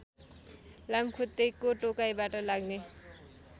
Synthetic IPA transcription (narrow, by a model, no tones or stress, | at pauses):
lamkʰut̪ːejkoʈokajbaʈʌlaɡne